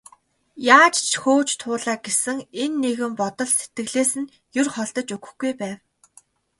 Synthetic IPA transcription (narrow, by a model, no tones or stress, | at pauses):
jaːt͡ɕt͡ɕʰxoːt͡ɕt̪ʰʊːɮaːɡesɘ̆ŋenːeɣɘ̆mpɔt̪ɞ̆ɮset̪̚ɡɘ̆ɣɮeːsɘ̆n | jɵrχɔɮt̪ɞ̆t͡ɕɵɣɵ̥̆xɡujpæːw